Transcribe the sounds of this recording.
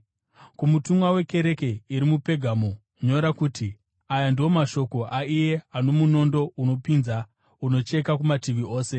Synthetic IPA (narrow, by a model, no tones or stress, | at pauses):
kumutumwawe̞ke̞ɾe̞keiɾimupe̞ɡʱaːmo̞ | ɲo̞ɾakuːtʰi | ajandio̞maʃo̞ko̞ʔaije̞ano̞muno̞ndo̞uno̞pinza | uno̞t͡ʃe̞kakumatiʋio̞ːse